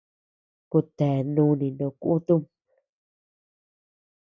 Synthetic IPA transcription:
ku˧t̪ɛː˨nũ˦nĩ˨nõ˨kʷʔu˦t̪u˦m

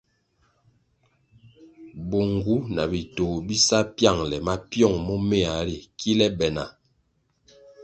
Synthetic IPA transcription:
bo˨ŋɡu˨˦na˨bi˨to˨bi˦sa˦pja˦˨ŋlɛ˨ma˦pjɔ˦˨ŋmɔ˦me˦˨a˨ɾi˨ki˦lɛ˦bɛ˨na̰˨

